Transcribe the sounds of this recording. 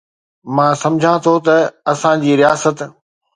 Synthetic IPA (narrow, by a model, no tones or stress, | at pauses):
mãːsɐ̃md͡ʑʱãt̪ʰot̪ɐɐsãd͡ʑiːɾijaːsət̪